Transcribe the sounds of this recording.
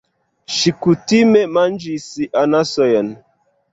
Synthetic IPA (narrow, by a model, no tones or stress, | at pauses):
ʃikutimemand͡ʒisiʔanasɔjan